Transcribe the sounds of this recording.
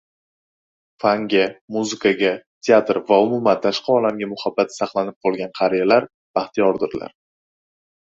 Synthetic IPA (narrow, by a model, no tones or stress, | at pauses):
faŋɡʲamuzɪkʰaɡʲat̪ʰeat̪ɾvaʊmʊmant̪ʰaʃqʰɑɒlamɡʲamʊhabːat̪ʰsɑqlˠanɪp̚qʰɒlˠɡʲanqʰɑɾijalaɾ | b̥aχt̪ʰijɒɾd̪ɪɾla̰ɾ